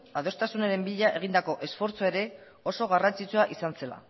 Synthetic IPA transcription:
að̞o̞st̪asunaɾe̞mbiʎaʔe̞ɣ̞ind̪ako̞ʔe̞sfo̞ɾt͡soe̞ɾe̞ | o̞so̞ɣ̞arant͡sit͡suaʔisanse̞la̰

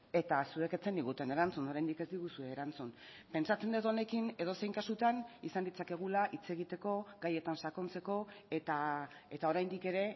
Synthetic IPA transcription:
e̞t̪asue̞ke̞t͡se̞nd̪iɣ̞ut̪e̞ne̞ɾant͡suno̞ɾajnd̪ike̞zd̪iɣusue̞ːɾant͡sun | pe̞nsat͡se̞nd̪et̪o̞ne̞kine̞ð̞o̞se̞jŋkasut̪anisand̪it͡sake̞ɣ̞ulaʔit͡se̞ɣ̞it̪e̞ko̞ɡaje̞t̪ansako̞nt͡se̞ko̞e̞t̪ae̞t̪ao̞ɾajnd̪ike̞ɾe̞

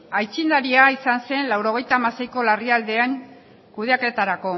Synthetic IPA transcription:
ajt͡sind̪aɾiaisanse̞nlawɾo̞ɣ̞e̞jt̪aːmase̞jko̞lariald̪e̞aŋ | kuðe̞ake̞t̪aɾako̞

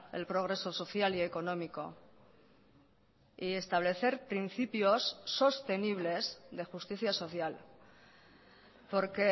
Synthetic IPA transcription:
e̞̰lpɾo̞ɣ̞ɾe̞so̞so̞θjalie̞ko̞nõ̞miko̞̰ | ie̞st̪aβ̞le̞θe̞ɾpɾinθipjo̞sːo̞st̪e̞niβ̞le̞zðe̞xust̪iθjaso̞θjal | po̞ɾke̞

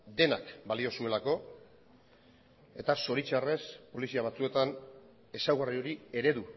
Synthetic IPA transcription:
d̪e̞nakbalio̞sue̞lako̞ | e̞t̪aso̞ɾit͡ʃare̞spo̞lisiaβ̞at͡sue̞t̪an | e̞sawɣario̞ɾie̞ɾe̞ðu

